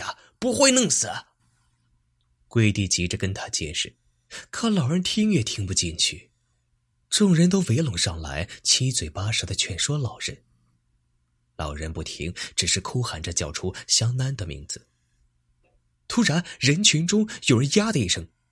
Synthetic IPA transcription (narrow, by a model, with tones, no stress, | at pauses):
pu˧˥xwe˥˧ɪnɤ˥˩ŋsɹ̩˨˩˦ | kwe˥˧ɪt̪i˥˧˩t͡ɕi˧˥ʈ͡ʂə˧kə˥nt̪ʰa˥t͡ɕjɛ̰˥˧ʂɻ̩˥˩ | kʰɤ˧˥lɑ˨˩ʊɻə˧˥nt̪ʰi˥ŋɥɛ˥˩t̪ʰi˥ŋpu˧t͡ɕi˥˧nt͡ɕʰy˥˩ | ʈ͡ʂʊ˥˩ŋɻə˧˥nt̪o˥ʊwe˧˥ɪlʊ˨˩ŋʂɑ˥˩ŋla̰˧˥ɪt͡ɕʰi˥t͡swe˨˩ɪpa˥ʂɤ˧˥d̪ə˧t͡ɕʰɥɛ˥˩nʂwɔ˥lɑ˨˩ʊɻə˧˥n | lɑ̰˨˩ʊɻə˧˥npu˥˩t̪ʰḭ˧˥ŋʈ͡ʂɻ̩˨˩ʂɻ̩˥˩kʰu˥xa˨˩nʈ͡ʂə˦t͡ɕjɑ˨˥˩ʊʈ͡ʂʰu˥ɕjɑ˥ŋna˥nd̪ə˨mḭ˧˥ŋd͡zɹ̩˧ | t̪ʰu˥ɻa˧˥nɻə˧˥nt͡ɕʰy˧˥nʈ͡ʂʊ˥ŋjo˨˩ʊɻə˧˥nja˥d̪ə˨i˥˩ʂɤ˥ŋ